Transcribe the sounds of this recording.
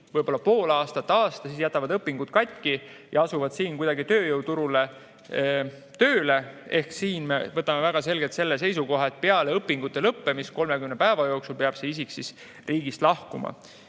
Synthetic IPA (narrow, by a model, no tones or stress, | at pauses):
vɤjb̥o̞lːɑpo̞ːlɑːst̪ɑt̪ːɑːst̪ɑsiːsjæt̪ːˑɑvɑd̪ɤpːˑiŋɡ̥ut̪̚kɑt̪̚ʲkijɑɑsuvɑd̪̥siːnkujd̪ɑɡit̪ø̞ːjɤw̪uɾule̞ | t̪øːle̞e̞hksiːnme̞̰vɤt̪ːˑɑmevæɡ̥ɑse̞lɡet̪se̞lːes̬e̞jsuko̞ɦɑt̪̚peɑleɤpːiŋɡ̥ut̪ːˑe̞lɤpːe̞misko̞lme̞kymnepæevɑjo̞ːksulpeɑb̥se̞isiksis | rʔiːɡ̥ist̪lɑhkumɑ̰